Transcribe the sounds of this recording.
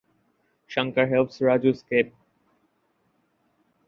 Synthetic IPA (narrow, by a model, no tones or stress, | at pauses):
ʃãŋkaɦɛlsɾad͡ʑuskep̚